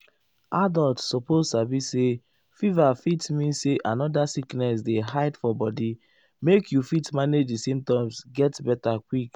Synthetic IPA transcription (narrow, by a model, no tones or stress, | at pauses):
adɔltsɔpozsabise | fivafitmĩnseʔãnɔdasiknɛs̬deɦaɪdfɔbɔdi | mekʰjufitmaned͡ʒdisẽmtãɪ̃msɡɛtbɛtakwik